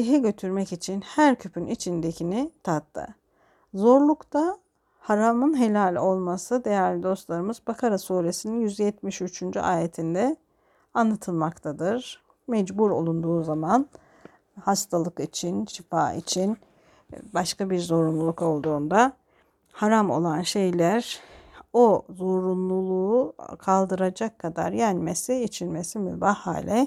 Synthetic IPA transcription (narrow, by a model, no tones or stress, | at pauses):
iɦiɟø̞t̪ʰyɾmɛcit͡ʃʰinhæɾcʰypʰynit͡ʃʰind̪ecʰinit̪ʰat̪ʰːɯ̰ | zo̞ɾlˠukt̪ʰa | haɾamɯnɦe̞lʲaːlʲo̞lˠmasɯd̪e̞jæɾlʲid̪o̞st̪lˠaɾɯmɯzbakʰaɾasuːɾe̞sininjyzjɛt̪miʃyt͡ʃʰynd͡ʒyʔaːjet̪ʰind̪ɛ | anlˠat̪ʰɯlˠmakt̪ʰad̪ɯɾ̥ | mɛd͡ʒbuɾo̞̰lˠund̪uːzaman | hast̪ʰalˠɯkit͡ʃʰinʃifaːḭt͡ʃʰin | baʃkabiɾzo̞ɾunlˠulˠuko̞lˠd̪uːnd̪a | haɾamo̞̰lˠanʃe̞jlʲæɾ | o̞zo̞ɾunlˠulˠuːkʰalˠd̪ɯɾad͡ʒakʰːad̪a̰ɾjænmesiit͡ʃʰinmesimy̰baha̰ːlʲɛ